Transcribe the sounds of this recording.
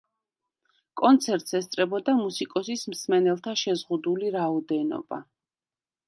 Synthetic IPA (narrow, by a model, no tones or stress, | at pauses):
kʼɔnt̪sʰɛɾt̪ʼsɛst̪sʼɾɛbɔd̪amusikʼɔsismsmɛnɛlˠt̪ʰaʃɛzʁud̪uliɾaɔd̪ɛnɔ̰ba̰